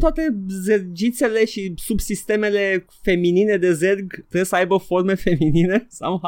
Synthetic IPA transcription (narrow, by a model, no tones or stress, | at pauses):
t̪oat̪e̞zerd͡ʒit̪se̞le̞ʃisubsist̪e̞me̞le̞ | fe̞minine̞d̪e̞zerɡt̪ɾesəajbəfo̞rme̞fe̞minine̞sawɦa